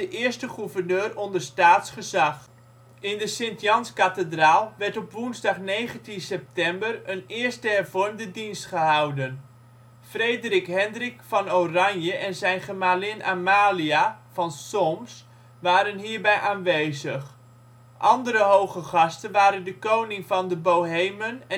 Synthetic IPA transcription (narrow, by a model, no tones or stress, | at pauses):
dəʔɪːəɹstəχuvərnøːrɔndərstaːtsχəzɑχ | ɪndəsɪntjɑnskatədraːlˠʋɛɹtɔpʋunzdɑχnejχəntinsɛp̚tɛmbərənɪːɹstəɦɛrvɔrmdədinstχəɦɑwdən | frejdərikɦɛndrikfɑnowrɑɲjəʔɛnzɛjnχəmaːlɪnamaːliav̥ɑnsɔms | ʋaːɾənɦiːɹbɛjʔaːnʋejzəχ | ʔɑndəɾəɦowχəχɑstənʋaːɾəndəkownɪŋvɑndəbowɦejmənɛ